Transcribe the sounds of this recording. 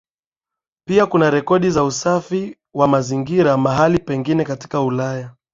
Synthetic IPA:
piakunaɾɛkɔɗizausafi | wamaziŋɡiɾamaɦalipɛŋɡinɛkati̥kaulaja

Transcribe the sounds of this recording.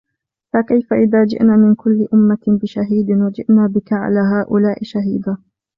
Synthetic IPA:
fakajfaʔɪðaːd͡ʒɪ̰ʔnaːmɪnkʊlːɪʔʊmːabɪʃaɦiːd̪wad͡ʒɪ̰ʔnaːbɪkaʕa̰laːɦaːʔʊlaːʔɪʃaɦiːd̪a

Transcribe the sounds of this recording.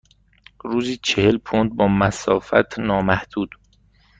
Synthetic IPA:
ɾuːziːt͡ʃʰehelpʰond̪̚bɒːmæsɒːfæ̰t̪ʰnɒːmæhd̪̥uːd̪

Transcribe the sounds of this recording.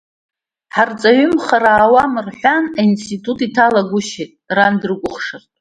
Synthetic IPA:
ħart͡sʼaɥʏmχaɾaːwamɨrħʷanainstʰitʰʼutʰitʰalaɡʷʊʃetʼrandɨrɨkʷʼʊχʂartʼ

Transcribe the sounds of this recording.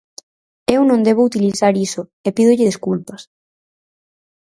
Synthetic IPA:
ewnõnd̪eβ̞ʊut̪iliθaɾisʊepiðʊʎɪðiskulpɐs

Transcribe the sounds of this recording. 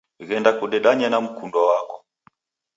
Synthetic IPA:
ɣɛndakuɗɛɗaɲanam̩kundwawakɔ

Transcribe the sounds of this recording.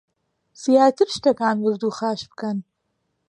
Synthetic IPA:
sijaːt̪ʰɨɾʃt̪ɐkaːnwɨzd̪uːxaːʃbɨkɐn

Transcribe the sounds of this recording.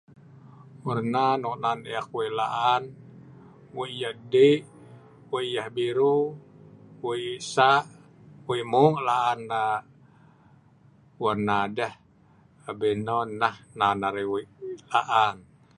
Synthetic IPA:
wərnanɔʔnaneak̚wilaʔan | weijahdeʔ | weijahbiɾu | wisaʔ | wimuŋlaʔːnːa | wərnadah | bɛnɔnːahnanaɾewiilaʔan

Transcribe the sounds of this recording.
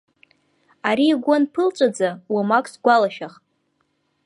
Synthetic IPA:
aɾiːɡʷanpʰɨlt͡ʃʷʼad͡zawamakʼsɡʷalaʃaχʼ

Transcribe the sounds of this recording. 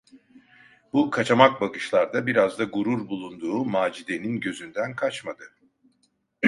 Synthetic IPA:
bukʰat͡ʃamak̚bakɯʃlˠaɾd̪abiɾazd̪aɡuɾuɾbulˠund̪uːmaːd͡ʒid̪e̞ninɟø̞zynd̪ænkʰat͡ʃmad̪ɯ

